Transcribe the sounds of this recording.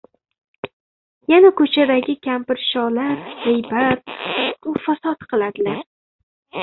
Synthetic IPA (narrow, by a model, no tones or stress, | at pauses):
janakʰɵt͡ʃʰad̪aɡʲɪkʲʰampɪɾʃɒlaɾhejbat̪̚ʊfasat̪qʰɨlˠad̪ɪlaɾ